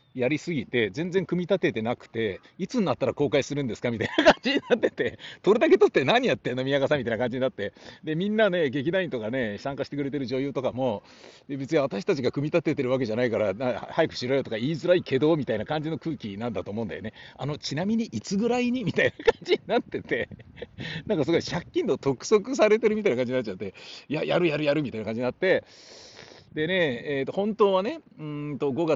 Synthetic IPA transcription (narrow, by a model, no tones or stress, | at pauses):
jaɾʲisɨɡʲit̪e̞zẽ̞nd͡zeŋkɯ̟mʲit̪at̪e̞t̪e̞nakɯ̟̥t̪e̞ | it͡sɨnːat̪ːaɾako̞ːkaisɨɾɯ̟̃nd̪e̞sɨ̥kamʲit̪ainakãɲ̟d͡ʑiɲ̟inat̪ːe̞t̪e̞t̪o̞ɾed̪ake̞t̪o̞t̪ːe̞naɲ̟ijat̪ːeno̞mʲijakasãmʲːit̪ainakãɲd͡ʑiɲinat̪ːe̞d̪e̞mʲĩnːane̞ɡe̞k̬ʲid̪aĩɲt̪o̞kane̞sãŋkaɕi̥t̪e̞kɯ̟ɾe̞t̪̬e̞ɾɯ̟ʑo̞ːjoːt̪o̞kamo̞ | d̪e̞be̞t͡sɨɲiβat̪aɕi̥t̪at͡ɕiɡakɯ̟mʲit̪at̪ːe̞t̪e̞ɾɯβak̬e̞ʑanaikaɾanahajakɯ̟̥ɕiɾoːjot̪o̞kaiːzɨɾaike̞d̪o̞ːmʲit̪ainakãɲ̟d͡ʑino̞kɯ̟ːkʲinãnd̪at̪oːmo̞ɯ̃nd̪a̰jone̞a̰no̞t͡ɕinamʲiɲ̟iʔit͡sɨɡɯ̟ɾaiɲ̟imʲit̪ainakaɲ̟d͡ʑiɲinat̪ːe̞t̪e̞ | nãŋkasoɡoiɕakʲːĩnt̪o̞t̪o̞kɯ̟̥so̞kɯ̟s̬aɾe̞t̪e̞ɾɯmit̪ainakãɲ̟d͡ʑiɲinat͡ɕat̪ːejajaɾɯ̟jaɾɯ̟jaɾɯ̟mʲit̪ainakãɲd͡ʑinat̪ːe̞ | d̪e̞ne̞eːt̪ːo̞hõ̞nt̪o̞ːβane̞ɯ̃t̪o̞ɡo̞ɡa